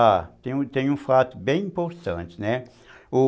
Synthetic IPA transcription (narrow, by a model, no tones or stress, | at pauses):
at̪ẽj̃t̪ẽj̃ũfat̪ʊbẽj̃ĩmpoɾt̪ɐ̃nt͡ʃɪ̥nɛ | ʊ